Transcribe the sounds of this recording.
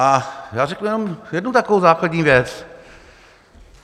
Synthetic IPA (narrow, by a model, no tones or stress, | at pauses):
ʔajaːɾɛknujɛnomjɛdnut̪akovowzaːkladɲiːvjɛt͡s